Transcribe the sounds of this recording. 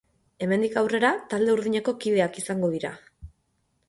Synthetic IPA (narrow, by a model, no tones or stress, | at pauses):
e̞me̞nd̪ikawre̞ɾat̪ald̪e̞uɾðiɲe̞ko̞kiðe̞akisaŋɡo̞ðiɾa̰